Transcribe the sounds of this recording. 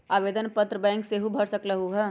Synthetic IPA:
aːʋeːd̪ənpət̪ɾəbɛ̃ːŋkseɦubʱɐɽsəkləɦuɦɛː

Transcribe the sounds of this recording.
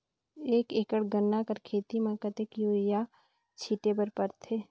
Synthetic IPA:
eːkeːkəɽɡənːakəɾkʰeːt̪imɐ̃kət̪ekjoːɪja | t͡ʃʰiːʈebəɾpəɾt̪ʰeː

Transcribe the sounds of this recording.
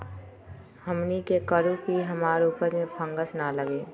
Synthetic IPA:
həmnikekəɾukiɦəmaːɾuːpəɾmẽpʰə̃ŋɡəsnaləɡeː

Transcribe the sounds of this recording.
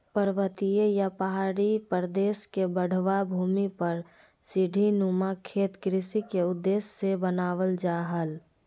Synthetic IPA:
pəɾʋət̪ijejapəɦaːɾipəɾd̪eːskebəɽ̤ʋabʱuːmipəɾ | sɪɖʱinumakʰeːt̪kɾɪsikeʊd̪ːeːsːebənaːʋəld͡ʒaːɦəl

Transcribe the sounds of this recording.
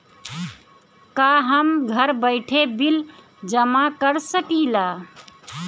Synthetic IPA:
kaɦəmɡʱəɾbəɪʈʰebil | d͡ʒəmakəɾsəkila

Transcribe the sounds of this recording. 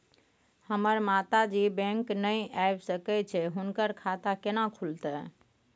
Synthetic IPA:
həməɾmat̪ad͡ʒibɛ̃ŋknəjajbsəkɛt͡ʃʰɛɦunkəɾkʰat̪akenakʰult̪ɛ

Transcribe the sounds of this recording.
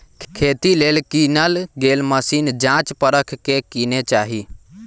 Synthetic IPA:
kʰeːt̪ileːlkinəlɡeːlməsiːnd͡ʒãt͡ʃpəɾəkʰkekinet͡ʃaːɦi

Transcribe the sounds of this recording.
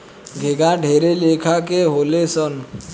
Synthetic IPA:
ɡʱeɡaɖʱeɾelekʰakeɦolesən

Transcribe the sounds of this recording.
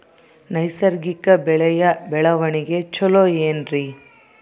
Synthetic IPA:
nɐjsɐɾɡikɐbɛɭɛjɐbɛɭɐʋɐɳiɡe̞t͡ʃɔlojeːnɾi

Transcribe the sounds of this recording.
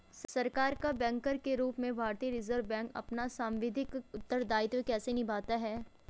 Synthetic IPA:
ssɐɾkaːɾkabɛ̃ːŋkəɾkeɾuːpmẽbʱaːɾt̪ijəɾɪzəɾʋbɛ̃ːŋkɐ̰pnasãːmʋɪd̪ʱɪkʊt̪ːəɾd̪aːɪt̪wekɛːsenɪbʱaːt̪aɦɛː

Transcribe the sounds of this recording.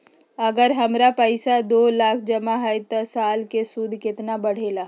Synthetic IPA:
ɐɡəɾɦɐmɾapəɪsad̪oːlaːkʰd͡ʒɐmaɦəjt̪asaːlkesud̪ʱkɪt̪nabɐɽ̤eːlaː

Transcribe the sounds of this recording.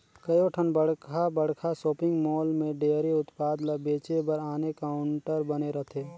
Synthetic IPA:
kɐjoʈʰənbəɽ̤kʰabəɽ̤kʰasoːpɪ̃ŋɡmɔːlmẽɖeːɾiʊt̪paːd̪ləbeːt͡ʃebəɾaːnekaːʊɳʈəɾbɐneɾɐɦt̪ʰeː

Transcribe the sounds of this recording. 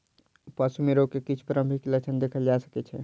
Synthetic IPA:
pəsumeɾokekit͡ʃʰu̥pəɾəmbʱikelət͡ʃʰənd̪ekʰəld͡ʒasə̥kɛt͡ʃʰɛ

